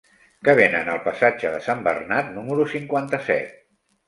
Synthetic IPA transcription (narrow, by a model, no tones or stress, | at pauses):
kəβenənəlˠpəsad͡ʒəðəsambə̰rnat̪numəɾusiŋkwant̪əsɛ̰t̪̚